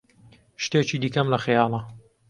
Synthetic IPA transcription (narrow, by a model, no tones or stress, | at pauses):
ʃt̪et͡ʃiːd̪iːkɐmlɐxjɑːlˠɐ